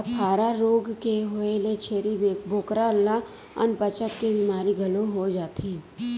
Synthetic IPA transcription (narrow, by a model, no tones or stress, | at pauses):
ɐpʰaːɾaɾoːɡkeɦoelet͡ʃʰeːɾiboːkɾala | ɐ̰npət͡ʃəkkebiːmaːɾiɡʱɐloɦod͡ʒaːt̪i